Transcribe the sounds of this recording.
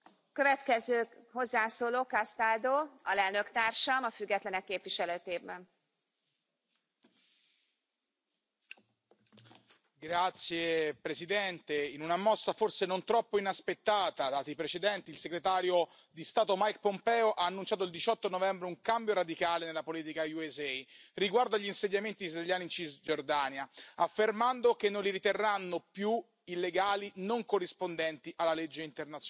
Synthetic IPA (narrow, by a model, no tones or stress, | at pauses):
køvɛt̪kɛzøːho̞zːaːsoːloːkast̪ald̪oːɒlɛlnøkt̪aːrʃɒmɒfyɡːɛt̪lɛnɛkːeːpviʃɛløːt̪eːvbɛn | ɡɾat̪sːjepɾesid̪ɛnt̪einunamɔsːaforsenont̪ɾɔpːoinaspet̪ːaːt̪ad̪aːt̪ipɾet͡ʃed̪ɛnt̪iːlseɡɾet̪aːɾjo | d̪ist̪aːt̪omajk̚pompɛːoʔaːnːunt͡ʃaːt̪oild̪it͡ʃɔt̪ːonovɛmbɾeuŋkambjoɾad̪ikaːlenelːapoliːt̪ikajuezɛjriɡward̪oaʎːinseɲːament̪iːzɾalʎjaːnint͡ʃizd͡ʒord̪aːnjaafːermand̪okenːonliɾit̪erːanːopju | ilːeɡaːlinoŋkorːispond̪ɛnt̪iʔalːaled͡ʒːeint̪ernat̪sj